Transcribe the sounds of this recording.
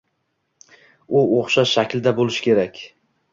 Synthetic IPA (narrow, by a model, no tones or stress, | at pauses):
ʊoχʃaʃakʲlɪd̪abolɪʃkʲʰe̞ɾakʲ